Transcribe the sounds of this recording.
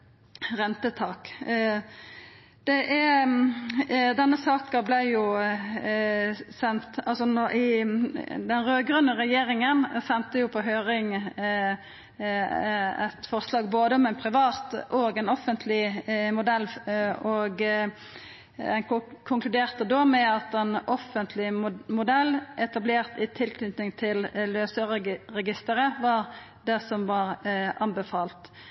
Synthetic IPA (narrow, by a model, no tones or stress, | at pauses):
ʁɛnt̪ət̪ʰɑːk | d̪̥ɛʔæ | d̪ɛnːəsɑːkəblæɪjʊ | sɛnt̪ɑlsɔnɔʔɪ | d̪ɛnʁøːɡɾʉnːəʁɛjeːʁɪŋənsɛnt̪əjʊpʰɔɦøːʁɪŋ | æ̰t̪fɔʁslɑːɡ̚boːd̪əɔmæɪnpʰʁɪʋɑːt̪ʔɔɡɛnɔfːənt̪ʰlɪmʊd̪ɛlːɔɡ | ɛnkʰʊŋklʉd̪eːʁt̪əd̪ɔːmɛɑt̪ɛnʔɔfːənt̪ʰlɪmʊd̪ɛlʔɛt̪ɑbleːʁt̪ɪt̪ʰɪlkʰnyːt̪nɪŋt̪ʰɪllːøːsəʁəʁɛɡɪst̪əʁəʋɑʁ | d̪ɛsɔmʋɑʁɑnbəfɑːlt̪